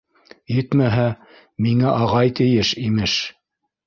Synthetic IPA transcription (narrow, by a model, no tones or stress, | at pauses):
jɘt̪mæɦæ | miŋæʔɑʁɑjt̪ɘ̆jɘʃimɘʃ